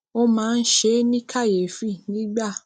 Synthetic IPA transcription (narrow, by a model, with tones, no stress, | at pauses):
o˦mãː˨˦˧n̩˦ʃe˧˦nĩ˦kʰa˦˨je˨fi˦˨nĩ˨˦ɡ͡ba˦˨